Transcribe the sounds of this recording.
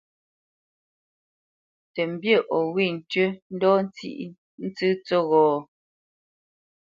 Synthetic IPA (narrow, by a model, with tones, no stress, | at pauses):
tɛ˨m̩˨bjə˦˨ʔɔ˨wi˦˨n̩˨tɥə˦n̩˦dɔː˦n˦t͡sḭ˦ʔ | n̩˦t͡sɨ˦t͡so˦ɣɔː˨˦